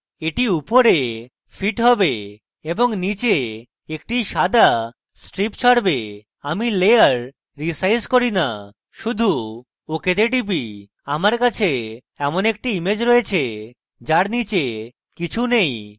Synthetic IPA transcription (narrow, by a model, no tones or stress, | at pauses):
eʈiupoɾe | fʰiʈɦɔbe | eboŋnit͡ɕe | ek̚ʈiʃad̪ʱa | sʈɾipt͡ɕʰɔɽbe | amilejaɾː | isajskoɾina̰ | ʃud̪ʱu | oket̪eʈ̬ip̬i | amaɾkat͡ɕʰe | ɛmonek̚ʈiimed͡ʑɾoet͡ɕʰe | d͡ʑaɾnit͡ɕe | kit͡ɕʰunej